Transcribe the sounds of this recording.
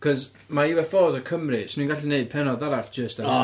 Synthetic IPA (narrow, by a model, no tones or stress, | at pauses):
kʰɔz | maiwɛfoːzɔkʰəmrisnĩːnŋɡaɬineɨd̚pʰɛnɔðalaɬd̥d͡ʒ̥əsta